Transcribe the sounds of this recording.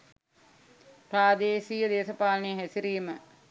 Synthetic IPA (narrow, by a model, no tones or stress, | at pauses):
pɾaːd̪eːsijəd̪eːsɐpaːlɐnejɦæsiɾiːmə